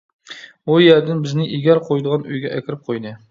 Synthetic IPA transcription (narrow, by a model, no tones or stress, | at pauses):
ujæɾd̪ɪnbɪznɪʔiɡʲæɾqʰojd̪əʁɑnyjɡʲɛʔækʲʰɪɾɪp̚qʰojd̪ɨ